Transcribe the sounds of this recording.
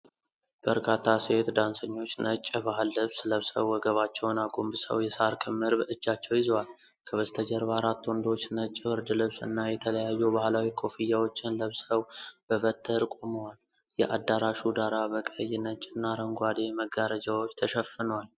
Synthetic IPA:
b̥əɾkʰat̪ʰːaset̪d̪ansəɲːo̞t͡ʃːnət͡ʃʼːbahalːɨβsləβsə̰βwːɔɡəβat͡ʃːɛwnaɡombɨsə̰wjɛsaɾkʰɨmːɨɾbəɨd͡ʒːat͡ʃːɛwjɪzwal | kʰəβəst̪ʰəd͡ʒəɾbaɾat̪ːwɔnd̪o̞t͡ʃːnət͡ʃʼːɪbɨɾd̪ɨlɨβsɨ̰nːajɛt̪ʰələjajːubahlawikʰo̞fijawo̞t͡ʃːɪnləβsəwb̥əβət̪ʰːəɾkʼoməwal | jɛʔad̪aɾaʃud̪aɾabəkʼəjːɪnət͡ʃʼɨnːaɾəŋɡʷad̪eməɡaɾəd͡ʒawo̞t͡ʃːt̪ʰəʃəfːɨnəwal

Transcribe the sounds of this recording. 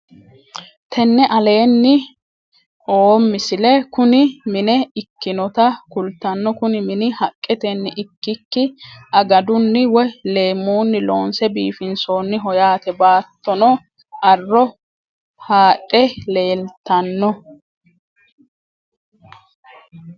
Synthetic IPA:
t̪ʰɛnːɛʔɐle̞ːnːɪ | ʔoːmːɪsɪlɛkʊnɪmɪnɛɪkːɪnɔt̪ɐkʊlt̪ːɐnːɔkʊnɪmɪnɪhɐkʼːɛt̪ɛnːɪʔɪkːɪkːɪʔɐɡɐd̪ʊnːɪwɔjle̞ːmuːnːɪloːnsɛbiːfɪnso̞ːnːɪɦɔjaːt̪ɛbaːt̪ːɔnɔ | ʔɐrːɔ | haːᶑʼɛle̞ːlt̪ːɐnːɔ

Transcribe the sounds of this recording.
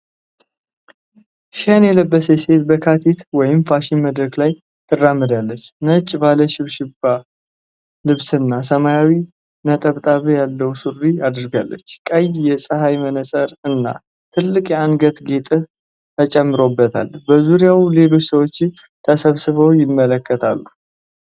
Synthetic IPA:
ʃanjɛləbːəsəse̞t̪bəkʰat̪ʰit̪wɔjɪmfaʃɪnməd̪ɾəklaj | t̪ʰɨrːamːɨd̪alːət͡ʃːnət͡ʃʼːbaləʃɪβʃɪba | lɨβsɨnːasəmajawi | nət̪ʼəβt̪ʼaβɨjalːəwsurːiad̪ɾɡa̰lːə̰t͡ʃːkʼəjjɛsʼɨɦajmənəsʼəɾɨnːa̰ | t̪ʰɨlːɨkʼjɛanɡət̪ɡe̞t̪ʼɨ | t̪ʰət͡ʃʼɛmːɨɾo̞bːət̪ʰa̰lːbəzuɾijawle̞lo̞t͡ʃːsəwo̞t͡ʃː | t̪ʰəsəβsɨβəwjɪmːələkːət̪ʰa̰lːu

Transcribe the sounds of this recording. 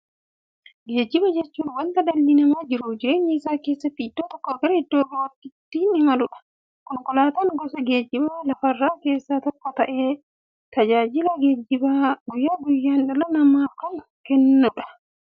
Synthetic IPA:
ɡeːd͡ʒibad͡ʒɛt͡ʃːunwɐnt̪ɐdɐlːinɐmad͡ʒiɾod͡ʒiɾɛniːsaːkeːsːɐpidːɔt̪ɔkːɔɡɐɾidːɔːdɔwɐtit̪ːinimɐluɗḁ | kɔŋkɔlaːt̪anɡɔsɔɡeːd͡ʒibalɐfɐrːaːkeːsːat̪ɔkːɔt̪aʔɛ | t̪ɐd͡ʒaːd͡ʒilaɡed͡ʒibaɡujːaɡujːanɗɛlɔnamakɔn | kɛnːɔɗa

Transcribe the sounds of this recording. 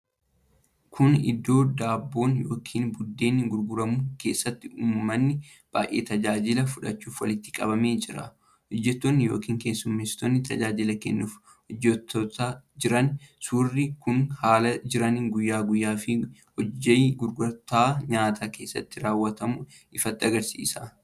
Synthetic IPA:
kʰʊnɪ̰d̪ːo̞ːd̪aːbːo̞ːnjo̞ːkʰiːnbʊd̪ːe̞ːnːɪɡʊɾɡʊɾɐmʊke̞ːsːɐt̪ːɪuːmːɐnːɪ | b̥a̰ːjʔḛːt̪ɐd͡ʒaːd͡ʒɪlɐfʊᶑɐ̰t͡ʃːuːfwɐlɪt̪ːɪ̥kʼɐ̰bɐme̞ːd͡ʒɪɾɐ̰ | hɔd͡ʒːɛt̪ːonːɪjoːkiːŋke̞ːsːʊmːeːst̪onːɪt̪ɐ̰d͡ʒaːd͡ʒɪlɐkɛnːuːf | hɔd͡ʒːɛt̪ːɔt̪ad͡ʒɪɾɐnsuːrːɪkʊnhaːlɐd͡ʒɪɾɐnɡʊjːaːɡʊjːaːfɪhɔd͡ʒːɐjɡʊɾɡʊɾɐt̪aːɲaːt̪ʰaːkeːsːɐ̰t̪ːɪɾaːwːɐt̪ɐmʊ | ʔɪfɐt̪ːɪɐɡɐɾsḭːsɐ

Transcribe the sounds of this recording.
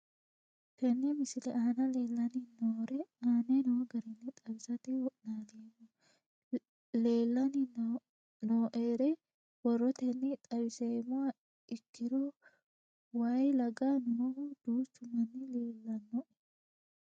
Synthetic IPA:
kɛnːɛmɪsɪlɛʔaːnɐle̞ːlːɐnɪnoːɾɛaːnenoɡɐɾɛnːɪt̪ʼɐbɪsɐt̪ɪwɔʔnaːlemɔ | leːlːɐnɪ | noːʔeːɾɛ | wɔrɔt̪ɛnːɪt̪ʼɐbɪseːmɔa | ɪkːɪɾɔ | wajlɐɡanɔɔhd̪̥uːstːʊmːɐnːɪleːlːɐnːɔʔ

